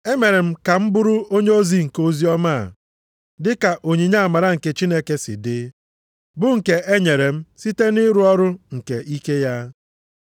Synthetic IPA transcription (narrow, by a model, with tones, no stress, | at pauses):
e˦me˨ɾe˨m̩˦ka˨m̩˦bʊ˦ɾʊ˦o˦ɲe˦o˦zi˦ŋ̩˨ko˦zi˦ɔ˦ma̰˦˨ | dɪ˦ka˨ʔo˨ɲi˨ɲa˦˨ma˨ɾa˦ŋ̩˨ke˨t͡ʃi˦ne˦ke˦sɪ̰˨dɪ˦ | bʊ˦ŋ̩˨ke˨ʔe˦ɲe˨ɾe˨m̩˦si˦te˦nɪ˦ɾu˦ɔ˦ɾʊ˦ŋ̩˨ke˨ʔi˦ke˦ja˦